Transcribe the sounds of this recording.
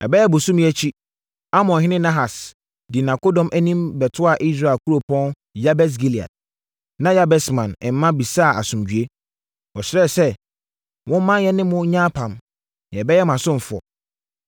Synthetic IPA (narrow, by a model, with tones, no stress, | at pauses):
ɛ̰˨bɛ˦jɛ˦bʊ˨sũ˦m˦ɛ˦t͡ɕʰi˦ | a˦mɔ̃˨nɦɪ̃˦nɪ̃˦nã˦ɦa˨s | dɪ˨nã˨ko˦dɔ̃˨mʔæ˦nĩ˦mbɛ˨tʰʊ˦a˨ʔi˦s̬ɾa˨e˨kʰu˦ɾo˨pʰɔ̃˦n | ja˦bɛ˦s̬ɡi˦li˨a̰˨d̚ | nã˦ja˦bɛ˦smã˨nɪ̃˨m̩˦mã˦bi˨saː˦˨a˨sʊ̃˨md͡ʑᶣɥe˦ | ɔ˨ɕɪ˦ɾɛ˦˨sɛ˦ | wʔɔ̃˦m̩˦mã˦njɛ˦nɪ̃˦mʊ̃˦ɲã˦pʰã˨m | ñ˨ɛ˨bɛ˦jɛ˦m˨ã˨sʊ̃˦m˨fʊ˨ɔ̰˨